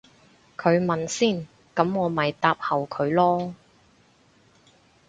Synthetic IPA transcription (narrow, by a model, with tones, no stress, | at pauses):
kʰɵ˨˧ɥmɐ˨nsiː˥˩n | kɐ˨˥mŋɔː˨˧mɐ˨jt̪aː˧p̚hɐ˨˩wkʰɵ˨˧ɥlɔː˥